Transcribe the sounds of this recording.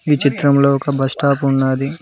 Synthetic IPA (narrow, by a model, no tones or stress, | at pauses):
iːt͡ʃit̪ɾɐmloːɔkɐbʱɐsʈaːpunːaːd̪i